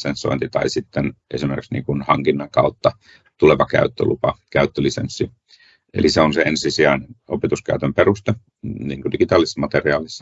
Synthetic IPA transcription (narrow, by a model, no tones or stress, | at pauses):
sensːo̰int̪it̪ɑ̰isit̪ːenʔḛsimeriksnḭːŋkunhɑŋkinːɑŋkɑut̪ːɑ | t̪uleʋɑkæ̰yt̪ːø̰lupɑkæyt̪ːølisḛnsːi | ḛliseonseensisiæinenopet̪uskæyt̪ømperust̪e | niːŋkodikit̪ɑːlːisːɑmɑt̪eriɑːlisːɑ̥